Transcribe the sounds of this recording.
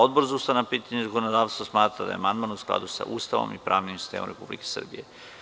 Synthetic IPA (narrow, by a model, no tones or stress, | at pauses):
od̪boɾzaust̪anapiːt̪aɲezakonod̪aːʋst̪ʋosmaːt̪ɾad̪a̰jeamand̪maːnusklˠa̰d̪usa̰ʔuːst̪aʋo̰mipɾa̰ːʋnimsist̪eːmomɾepublike̥sr̩bije